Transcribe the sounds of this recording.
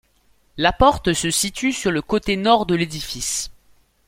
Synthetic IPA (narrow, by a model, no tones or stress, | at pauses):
lapɔʁt̪səsit̪ysyʁləkot̪enɔʁd̪əled̪ifis